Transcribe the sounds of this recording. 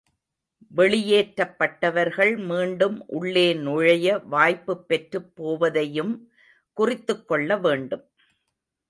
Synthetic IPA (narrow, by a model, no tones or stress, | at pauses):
ʋɛɭɪjeːʈɾɐpːɐʈːɐʋɐɾɣɐɭmiːɳɖɯmʔʊɭːeːnʊɻɐjɐʋaːjpːɯpːɛʈrɯpːoːʋɐðɐjɯm | kʊrɪt̪ːɯkːɔɭːɐʋeːɳɖɯm